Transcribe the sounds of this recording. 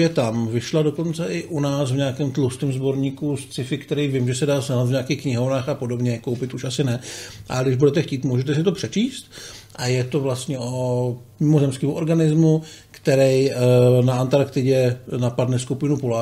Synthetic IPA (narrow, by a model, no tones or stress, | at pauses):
jɛt̪amvɪʃladoko̞nt͡sɛʔɪʔunaːsvɲaːkɛːmt̪lost̪ɛmzbo̞ɾɲiːkust͡sɪfɪkt̪ɛɾijvɪmʒɛsɛdaːsnat̪vɲaːkiːxkɲɪɦo̞vnaːxapo̞do̞bɲɛko̞wpɪt̪uʃʔasɪnɛʔa̰ɡdɪʒbudɛt̪ɛxciːt̪muʒɛt̪ɛs̬ɪt̪o̞pr̝̥ɛt͡ʃiːst̪ʔajɛt̪ovlast̪ɲɛʔo | mɪmozɛmskɛːmuʔo̞ɾɡanɪzmukt̪ɛɾɛjnaant̪aɾkt̪ɪɟɛnapadnɛskupɪnupula